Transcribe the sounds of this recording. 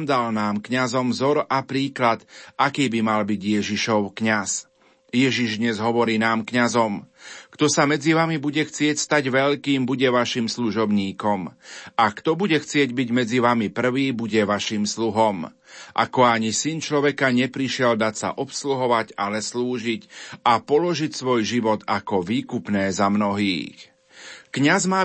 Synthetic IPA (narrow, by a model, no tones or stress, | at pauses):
md̪alnaːmkɲazɔmvzɔɾapɾiːklat̪akiːbimalbiɟjɛʒiʃɔʊkɲas | jɛʒiʒd̪ɲɛzɦɔʋɔɾiːnaːmkɲazɔmkt̪ɔsamɛd͡ziʋamibuɟɛxt͡sɪɛcst̪aɟʋɛʎkiːmbuɟɛʋaʃimsluʒɔbɲiːkɔmakt̪ɔbuɟɛxt͡sɪɛɟbiɟmɛd͡ziʋamipr̩ʋiːbuɟɛʋaʃimsluɦɔm | ʔa̰kɔaɲisint͡ʃlɔʋɛkaɲɛpɾiʃɪɛld̪acsa̰ʔɔpsluɦɔʋaɟalɛsluːʒicapɔlɔʒicsʋɔjʒiʋɔd̪akɔʋiːkupnɛːzamnɔɦḭːx | kɲazmaː